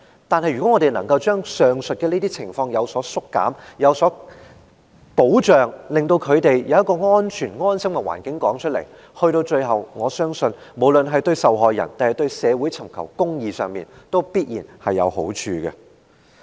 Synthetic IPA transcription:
t̪aː˨˧nhɐ˨jɥyː˨˩ɔ˨˥ŋɔː˨˧ɾe˨˩jnɐ̰˨˩ŋkɐ˧wt͡ʃœː˥ŋsœː˨ŋsɵ˨t̚kɛ˧niː˥t̪iː˥t͡sʰɪ˨˩ŋfɔː˧ŋjɐ˨˧wsɔː˨˥sʊ˥kːa̰ː˨˥mjɐ˨˧wsɔː˨˥ | po˨˥wt͡ʃœː˨ŋlɪ˨ŋt̪o˧wkʰɵ˨˧ɥt̪e˨jjɐ˨˧wjɐ˥tkɔː˧ŋɔː˥nt͡ʃʰyː˨˩nŋɔː˥nsɐ˥mkɛ˧wa̰ː˨˩nkɪ˨˥ŋkɔː˨˥ŋt͡ʃʰɵ˥t̚lɐ̰˨˩j | hɵ˧ɥt̪o˧wt͡ʃɵ˧ɥɦɐ˨wŋɔː˨˧sœː˥ŋsɵ˧nmo˨˩wlɵ˨nɦɐ˨jt̪ɵ˧ɥsɐ˨wɦɔː˨jɐ̰˨˩nt̪aː˨nhɐ˨˩jt̪ɵ˧ɥsɛː˨˧wuː˨˥jt͡sʰɐ˨˩mkʰɐ˨˩wkʊ˥ŋjiː˨˧sœː˨ŋmiː˨nt̪o˥wpiː˥t̚jiː˨˩nhɐ˨jːɐ̰˨˧who̰˨˥wt͡ʃʰyː˧ɡɐ̰˧

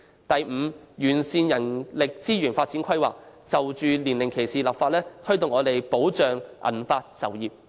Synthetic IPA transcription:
t̪ɐ˨jm̩˨˧jyː˨˩nsiː˧njɐ˨˩nlɪ˨k̚t͡siː˥jyː˨˩nfaː˧t̚t͡siː˨˥kʰɐ˥jwa̰ː˨k̚t͡sɐ˨wt͡ʃyː˨˧liː˨˩nlɪ˨˩ŋkʰe˨˩jsiː˨lɐ˨p̚faː˧t̚lɛː˥t̪ʰɵ˥t̪ʊ˨ŋːɔː˨˧t̪e˨jpo˨˥wt͡ʃœː˨ŋʔɐ̰˨˩nfaː˧t̚sɐ˨˩wjiː˨p̚

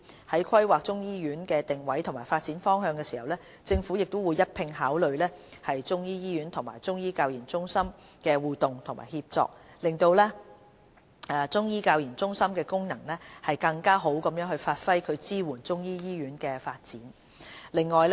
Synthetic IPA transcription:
hɐ˨˥jkʰɐ˥jwaː˨k̚t͡sʊ˥ŋjiː˥jyː˨˥nkɛː˧t̪ɪ˨ŋwɐ˨˥jt̪ʰmaː˨˩jfaː˧t̚t͡siː˨˥nfɔː˥ŋɦœː˧ŋkɛː˧siː˨˩hɐ˨wlɛː˥ | t͡sɪ˧ŋfuː˨˥jɪ˨k̚t̪ʊ˥wuː˨˧jːɐ˥t̚pʰɪ˧ŋɦaː˨˥wlɵ˨ɥlɛː˥hɐ˨jt͡sʊ˥ŋjiː˥jiː˥ɥyː˨˥nt̪ʰʊ˨˩ŋma̰ː˨˩jt͡sʊ˥ŋjiː˥kaː˧wjiː˨˩nt͡sʊ˥ŋsɐ˥mkɛː˧wuː˨t̪ʊ˨˩ŋt̪ʰʊ˨˩ŋma̰ː˨˩jhiː˧p̚t͡sɔ̰ː˧k̚ | lɪ˨ŋt̪o˧wlɛː˥˨ | t͡sʊ˥ŋjiː˥kaː˧wjiː˨˩nt͡sʊ˥ŋsɐ˥mkɛː˧kʊ˥ŋnɐ˨˩ŋlɛː˥hɐ˨jkɐ˧ŋkaː˥ɦo˨˥wkɐ˨˧mjœː˨˥ŋhɵ˧ɥfaː˧t̚fɐ˥jkʰɵ˨˧ɥt͡siː˥wuː˨˩nt͡sʊ˥ŋjiː˥jiː˥ɥyː˨˥nkɛː˧faː˧t̚t͡siː˨˥n | lɪ˨ŋːɔː˨jl

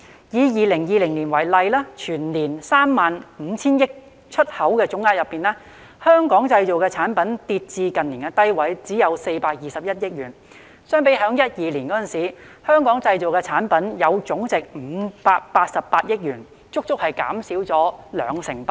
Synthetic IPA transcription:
jiː˨˧jiː˨˧lɪ˨˩ŋjiː˨lɪ˨˩ŋliː˨˩nwɐ˨˩jlɐ˨jlɛː˥t͡ʃʰyː˨˩nliː˨˩nsaː˥mːaː˨nm̩˨˧t͡sʰiː˥njɪ˥k̚ | t͡ʃʰɵ˥t̚hɐ˨˥wkɛː˧t͡sʊ˨˥ŋːaː˧jɐ˨pːiː˨nlɛː˥ | hœː˥ŋkɔː˨˥ŋt͡sɐ˧jt͡so˨wkɛː˧t͡sʰaː˨˥npɐ˨˥nt̪iː˧t̚t͡siː˧kɐ˨nliː˨˩kɛ˧t̪ɐ˥jwɐ˨˥jt͡siː˨˥jɐ˨˧wse˧jpaː˧k̚jiː˨˩sɐ˨p̚jɐ˥t̚jɪ˥k̚jyː˨˩n | sœː˥ŋpe˨˥jɦœː˨˥ŋjɐ˥t̚jiː˨liː˨˩nkɔː˨˥ɐ˨nsiː˨˥hœː˥ŋkɔː˨˥ŋt͡sɐ˧jt͡so˨wkɛ˧t͡sʰaː˨˥npɐ˨˥njɐ˨˧wt͡ʃʊ˨˥ŋt͡sɪ˨k̚m̩˨˧paː˧k̚paː˧t̚sɐ˨pːaː˧t̚jɪ˥k̚jyː˨˩n | t͡sʊ˥k̚t͡ʃt͡sʊ˥k̚hɐ˨jka̰ː˨˥msiː˨˥wt͡sɔː˨˥lœ̰ː˨˧ŋsɪ˨˩ŋp

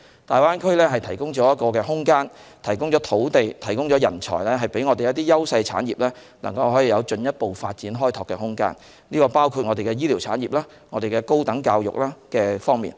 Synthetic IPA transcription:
t̪aː˨jwaː˥nkʰɵ˥ɥlɛː˥ɦɐ˨jt̪ʰɐ˨˩jkʊ˥ŋt͡ʃɔː˨˥jɐ˥t̚kɔː˧kɛː˧ɦʊ˥ŋkaː˥nt̪ʰɐ˨˩jkʊ˥ŋt͡ʃɔː˨˥t̪ʰo˨˥wt̪e˨jt̪ʰɐ˨˩jkʊ˥ŋt͡ʃɔː˨˥jɐ˨˩nt͡ʃʰɔ̰ː˨˩jlɛ˥ɦɐ˨˩jpe˨˥jŋɔː˧e˨jɐ˥t̪̚iː˥jɐ˥wsɐ˧jt͡sʰa̰ː˨˥njiː˨p̚lɛː˥ | lɐ̰˨˩ŋkɐ˧wɦɔː˨˥jiː˨jɐ˨˧wt͡ʃɵ˧njɐ˥t̚po˨wfa̰ː˧t̚t͡siː˨˥nɦɔː˥jt̪ʰɔː˨˩kːɛ˧ɦʊ˥ŋka̰ː˥n | niː˥kɔː˧paː˥wkʰu˧t̚ŋɔː˧e˨jkɛː˧jiː˥liː˨˩wt͡sʰaː˨˥njiː˨˩p̚laː˥ | ŋɔː˨˧d̪e˨jkɛː˧ko˥wt̪ɐ˨˥ŋkaː˧wjʊ̰˨˩k̚laː˥kɛː˧fɔː˥ŋmḭː˨n

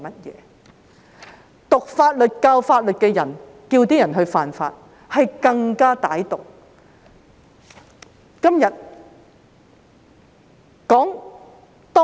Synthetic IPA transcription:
mɐ˥t̚jɛ̰ː˨˦ | t̪ʊ˨k̚faː˧t̚lɵ˨t̚kaː˧wfaː˧t̚lɵ˨t̚kɛː˧jɐ˨˩n | kiː˧wt̪iː˥jɐ˨˩nɦɵ˧ɥfaː˨nfa̰ː˧t̚ | hɐ˨jkɐ˧ŋkaː˥t̪a̰ː˨˥jt̪ʊ˨k̚ | kɐ˥mjɐ˨t̚ | kɔː˨˥ŋ | t̪ɔː˥

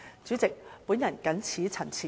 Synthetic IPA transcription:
t͡sy˨˥t͡sɪ˨k̚puː˨˥njɐ˨˩nkɐ˨˥nt͡sʰiː˨˥t͡sʰɐ˨˩nt͡sʰiː˨

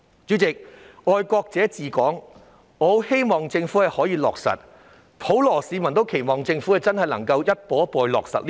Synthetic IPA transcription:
t͡syː˨˥t͡sɪ˨k̚ɔː˧jkɔː˧k̚t͡sɛː˨˥t͡siː˨kɔː˨˥ŋ | ŋɔː˨˧he˥jmɔː˨˩ŋt͡sɪ˧ŋfuː˨˥hɐ˨jhɔː˨˥jiː˨˧lɔ̰ː˨k̚sɐ̰˨t̚ | pʰo˨˥wlɔː˨˩siː˨˧mɐ˨˩nt̪o˥wkʰe˨˩jmɔː˨ŋt͡sɪ˧ŋfu˨˥kɐ˨t͡sɐ˥nhɐ˨jlɐ˨˩ŋkɐ˧wjɐ˥t̚pɔː˨˥pɔː˨˧jlɔ̰ː˨˩k̚sɐ̰˨t̚lː

